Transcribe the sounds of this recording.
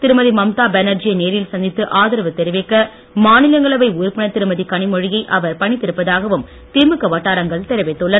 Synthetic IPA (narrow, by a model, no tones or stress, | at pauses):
t̪ɪɾɯmɐðimɐmt̪aːbɛnɐɾd͡ʒɪjɐneːɾɪlsɐnd̪ɪt̪ːɯʔaːðɪɾɐʋɯt̪ɛɾɪʋɪkːɐ | maːnɪlɐŋɡɐɭɐʋɐɪʊɾpːɪɳɐt̪ːɪɾɯmɐðikɐɳɪmɔɻɪjɐɪʔɐʋɐɾpɐɳɪt̪ːɪɾɯpːɐðaːɣɐʋɯm | t̪ɪɾmɯkːɐʋɐʈːaːɾɐŋɡɐɭt̪ɛɾɐʋɪt̪ːɯɭːɐ